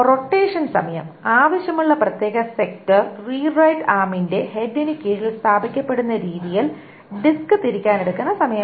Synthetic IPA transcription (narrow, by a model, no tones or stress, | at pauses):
roʈːeːʂɐnsɐ̰mɐjɐ̰maːʋɐɕjɐmuɭːɐprɐt̪je̞ːɣɐsek̚tɐrriːrɐjʈaːminde̞he̞ɖinikʲːeːɻilst̪ʰaːbʱikʲːɐpːe̞ɽunːɐɾiːðijil | ɖiskɨt̪iɾikʲːaːne̞ɽukːunːɐsɐmɐjɐm